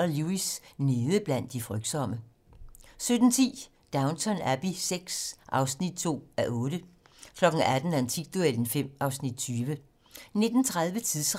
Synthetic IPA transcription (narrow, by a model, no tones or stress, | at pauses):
ɐluisne̝ðˠəb̥læn̰d̥ifʁœɡ̥d̥sɒ̽m̰ə | sød̥n̩t͡sʰḭː | d̥ɑ̈ʊnsʰɒnæb̥iseɡ̥sʔɑ̈ʊsnid̥̚t͡sʰo̝̰ːæʔɔ̽ːɾ̥əkʰlɒ̽ɡ̥n̩æd̥n̩ænt͡sʰiɡ̥̚d̥ueln̩fem̰ʔɑ̈ʊsnid̥̚t͡sʰyːʋə | ne̝d̥n̩t͡sʰʁaðˠʋət͡sʰiðˠsʁ